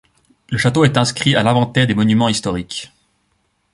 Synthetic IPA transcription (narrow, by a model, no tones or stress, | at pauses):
ləʃat̪oɛt̪ɛ̃skχialɛ̃vɑ̃t̪ɛʁd̪emɔnymɑ̃ist̪ɔʁik